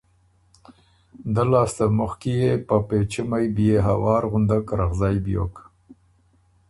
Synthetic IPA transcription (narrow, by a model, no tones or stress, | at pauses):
d̪alɑːst̪amʊxkijepapet͡ʃimajbijeɦawɑːɾɣʊnd̪akɾaɣzɑːjbjo̰k